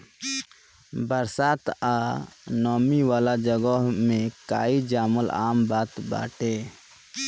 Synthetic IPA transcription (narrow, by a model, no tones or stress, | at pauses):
bəɾsaːt̪aːnɔːmiʋaːlad͡ʒəɡɔɦmẽkaːid͡ʒaːməla̰ːmbaːt̪ba̰ːʈʰeː